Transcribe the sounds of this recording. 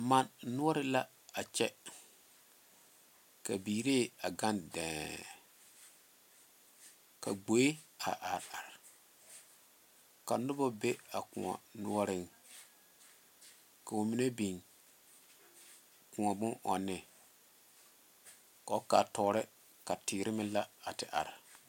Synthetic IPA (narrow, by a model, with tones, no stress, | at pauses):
ma˨nːʊ˦ɔ˦ɾɪ˦la˦ | a˨t͡ʃɛ˦ | ka˨biː˨ɾe˦˨a˨ɡa˦ndɛ̃ː˨ | ka˨ɡ͡bo˨˦e˦a̰˨ʔa˨ɾa˨ɾ | ka˨nʊ˦bɔ˦be˦a˨kũ˨a̰˨nʊ˦ɔ˦ɾɪ˦ŋ | ka˨ʊ˨mi˦ne˦bi˨ŋ | kũ˨a˨bʊ̃˦nʔɔ˨nːɪ˨ | ka˨˦ka˨tɔ˨˦ɾɪ˦ | ka˨tɪː˨ɾɪ˦mɪ˦la˦a˨tɪ˨ʔa̰˨ɾ